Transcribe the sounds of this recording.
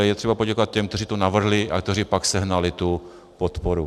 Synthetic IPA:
jɛt̪r̝̥ɛbapo̞ɟɛkovat̪̚cɛmkt̪ɛriːt̪onavr̩ɦlɪʔakt̪ɛriːpaksɛɦnalɪt̪u | pot̪poɾu

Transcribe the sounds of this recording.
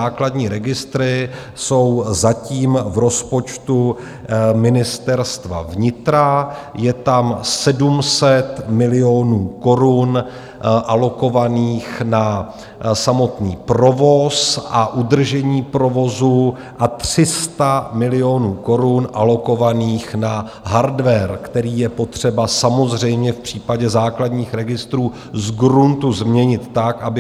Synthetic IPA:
aːkladɲiːɾɛɡɪst̪ɾɪ | so̞wzaciːmvɾo̞spo̞t͡ʃt̪u | mɪnɪst̪ɛɾst̪va̰vɲɪt̪ɾa | jɛt̪amsɛdumsɛt̪mɪlɪo̞nuːko̞ɾun | ʔalo̞ko̞vaniːxna | samo̞t̪nḭːpɾo̞vo̞sʔaʔud̪r̩ʒɛɲiːpɾo̞vo̞zu | ʔat̪r̥ɪst̪amɪlɪo̞nuːko̞ɾunʔalo̞ko̞vaniːxna | ɦaɾdvɛɾkt̪ɛɾiːjɛpo̞t̪r̝̥ɛbasamo̞zr̝ɛjmɲɛfpr̝̥iːpaɟɛzaːkladɲiːxɾɛɡɪst̪ɾuː | zɡɾunt̪uzmɲɛɲɪt̪ːakʔabɪ

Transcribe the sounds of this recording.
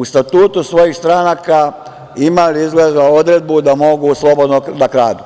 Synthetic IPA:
ust̪at̪uːt̪usʋo̞jiːxst̪ɾanaka | imaliizɡled̪ao̞d̪ɾe̞d̪̚bud̪amo̞ɡuslˠo̞bo̞d̪nonakɾaːd̪u

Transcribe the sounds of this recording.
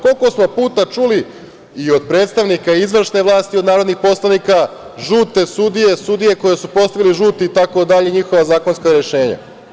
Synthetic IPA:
ko̞lko̞smo̞puːt̪at͡ʃuli | io̞d̪̚pɾet̪st̪aʋnikaizʋr̩ʃne̞ʋlˠaːst̪ionaːɾod̪nixpo̞slˠanika | ʒuːt̪e̞sud̪ije̞sud̪ije̞ko̞jesupo̞st̪aʋiliʒuːt̪iːt̪ako̞d̪aʎeɲixo̞ʋazaːko̞nskaɾeʃe̞ːɲa̰

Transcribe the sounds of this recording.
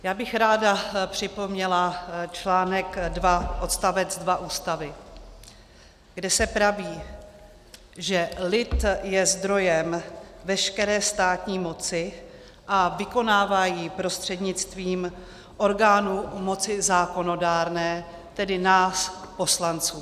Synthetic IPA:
jaːbɪxɾaːdapr̥ɪpo̞mɲɛlat͡ʃlaːnɛkdvaʔo̞t̪st̪avɛd͡zdvaʔuːst̪avɪ | ɡ̥dɛsɛpɾaviː | ʒɛlɪt̪jɛzd̪ɾo̞jɛmvɛʃkɛɾɛːst̪aːt̪ɲiːmo̞t͡sɪ | ʔavɪko̞naːvajiːpɾo̞st̪r̥ɛdɲɪt͡st̪viːm | ʔo̞ɾɡaːnumo̞t͡sɪzaːko̞no̞daːɾnɛː | t̪ɛdɪnaːspo̞slant͡suː

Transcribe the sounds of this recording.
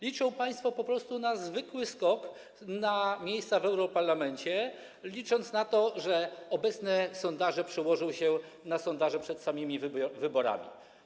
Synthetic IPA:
lʲit͡ʂɔ̃w̃paj̃st̪fɔpɔpɾɔst̪unazvɘkwɘskɔk | namʲjejst̪savɛwɾɔpaɾlamɛɲt͡ɕɛ | lʲit͡ʂɔnt̪snat̪ɔʐɛɔbɛt̪snɛsɔnd̪aʐɛpʂɛwɔʐɔ̃w̃ɕɛ | nasɔnd̪aʐɛpʂɛt̪samʲɘmʲivvɘbɔɾa̰mʲḭ

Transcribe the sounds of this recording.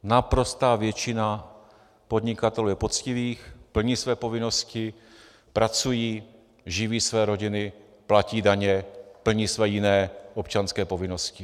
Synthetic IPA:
napɾo̞st̪aːvjɛt͡ʃɪna | po̞dɲɪkat̪ɛluːjɛpot͡scɪviːxpl̩ɲiːsvɛːpo̞vɪno̞scɪ | pɾat͡sujiː | ʒɪviːsvɛːɾo̞ɟɪnɪ | placiːdaɲɛpl̩ɲiːsvɛːjɪnɛːʔopt͡ʃanskɛːpovɪno̞scɪ

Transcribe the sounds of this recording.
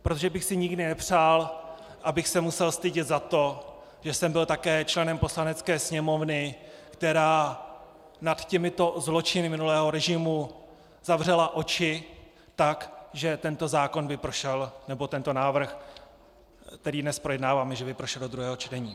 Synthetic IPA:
pɾot̪oʒɛbɪxsɪɲɪɡdɪnɛpr̝aːl | ʔabɪxsɛmusɛlst̪ɪɟɪt̪zat̪o̞ | ʒ̥ɛsɛmbɪlt̪akɛːt͡ʃlɛnɛmpo̞slanɛt͡skɛːsɲɛmo̞vnɪkt̪ɛɾaː | nat̪cɛmɪt̪o̞zlo̞t͡ʃɪnɪmɪnulɛːɦo̞ɾɛʒɪmu | zavrɛlaʔo̞t͡ʃɪ | t̪akʒɛt̪ɛnt̪o̞zaːko̞nbɪpɾoʃɛlnɛbo̞t̪ɛnt̪o̞naːvr̩x | t̪ɛɾiːdnɛspɾo̞jɛdnaːvaːmɛʒɛbɪpɾoʃɛldod̪ɾuɦɛːɦo̞t͡ʃt̪ɛɲiː

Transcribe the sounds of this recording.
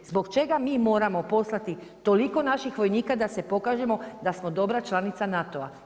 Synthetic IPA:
zbo̞kt͡ʃe̞ɡamiːmo̞ːɾamo̞po̞slˠat̪i | t̪o̞liko̞naʃixʋo̞jniːkad̪ase̞po̞kaːʒe̞mo̞d̪asmo̞d̪o̞bɾat͡ʃlˠanit̪sanat̪o̞a

